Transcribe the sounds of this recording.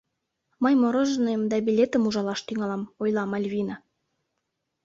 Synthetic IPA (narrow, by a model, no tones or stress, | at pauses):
mɤjmoɾɤ̆ʒnɤmd̪ɑbilʲet̪ə̆muʒɑlɑʃt̪yŋɑlɑmojlɑmɑlʲβʲinɑ